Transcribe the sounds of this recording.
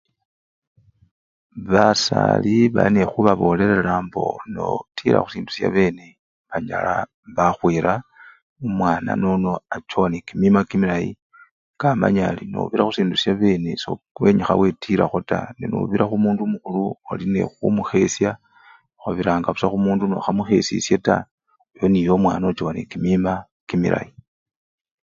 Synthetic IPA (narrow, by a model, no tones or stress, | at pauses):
βasa̰liβa̰linexuβaβo̞ːle̞ɾelambo̞̰no̰tʰiɾa̰xu̥siːndu̥sja̰βe̞ne | βaɲa̰la | βaxwiːɾa | umwaːna̰nono̞at͡ʃonikimimakimilajḭ | kama̰ɲalino̰βiɾaxusiːndusjaβe̞ːneso̰ | we̞ɲixa̰we̞tʰiɾa̰xota̰nino̰βiɾaxumuːndumuxuluoline̞̰xumuxe̞sja | xaβiɾaːŋɡaβusaxumuːndunoxamuxe̞sisjeta̰ | ojonijo̞mwa̰ːnot͡ʃowanikimima | kimḭɾa̰ji